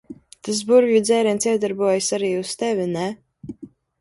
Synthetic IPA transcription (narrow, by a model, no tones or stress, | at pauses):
t̪as̬buɾvjud̪zɛːɾɛnsiɛd̪aɾbuɔjasaɾiːust̪ɛvʲinɛ